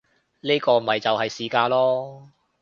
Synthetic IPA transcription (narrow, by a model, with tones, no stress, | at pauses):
niː˥kɔː˧m̩˨˩hɐ˨jt͡sɐ˨whɐ˨jsiː˨kaː˧lɔː˥